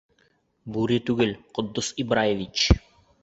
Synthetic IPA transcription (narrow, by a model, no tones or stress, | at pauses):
buɾɘt̪ʉɡɘlqŏd̪ːosibɾajevʲit͡ɕ